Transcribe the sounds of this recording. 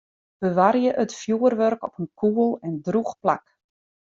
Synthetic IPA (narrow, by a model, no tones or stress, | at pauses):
bəʋarjəʔətfjuərʋørkɔpənkʰuəlˠɛndruxpla̰k